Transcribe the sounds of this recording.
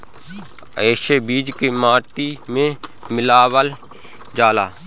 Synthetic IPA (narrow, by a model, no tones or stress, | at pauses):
eːʃebiːd͡ʒkemaːʈimẽmɪlaːwəl | d͡ʒaːlaː